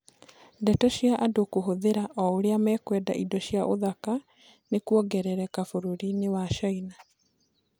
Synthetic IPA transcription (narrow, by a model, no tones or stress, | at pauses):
dɛtɔʃjaʔadokoɦoðeɾaʔɔoɾeamɛkwɛda̰ʔidɔɕjaʔoðaka | nekuɔɡɛɾɛɾɛkafoɾuɾinewaʃɔina